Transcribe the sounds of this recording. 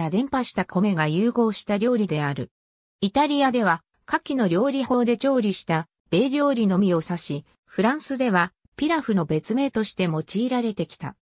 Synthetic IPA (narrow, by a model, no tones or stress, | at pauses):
ɾad̪ẽ̞mpaɕi̥t̪akʰo̞me̞ɡajɯːɡo̞ːɕi̥t̪aɾʲo̞ːɾʲid̪e̞aɾɯ̟̰ | it̪aɾʲiad̪e̞βa | kakʲːino̞ɾʲo̞ːɾʲiho̞ːd̪e̞t͡ɕo̞ːɾʲiɕi̥t̪a | b̥e̞ːɾʲo̞ːɾʲino̞mʲio̞saɕi | ɸɯ̟ɾãɰ̃sɨd̪e̞βa | pʲiɾaɸɯ̟no̞be̞t͡sɨme̞ːt̪o̞ɕi̥t̪e̞mo̞t͡ɕiːɾaɾe̞t̪e̞kʲi̥t̪a̰